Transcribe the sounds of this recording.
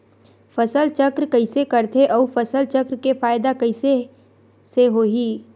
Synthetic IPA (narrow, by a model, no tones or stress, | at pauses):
fɐsəlt͡ʃɐkɾkɐisekɐɾt̪ʰeʔɔːfɐsəlt͡ʃɐkɾkefaːɪd̪akɐɪse | seɦoːɦiː